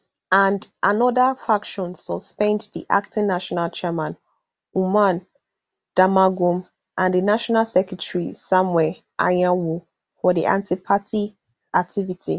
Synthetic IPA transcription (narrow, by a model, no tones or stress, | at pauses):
ãndʔanɔðəfakʃɔ̃nsɔspɛ̃ndðḭʔa̰k̚tʰĩnnːaʃɔnalt͡ʃɛmãn | umãn | d̥amaɡũm | ʔãndənaʃɔnalsɛkɹətʰɹisãmwɛ | ʔa̰jãwu | fɔdḭʔã̰ntipʰati | ak̚tʰivitʰḭ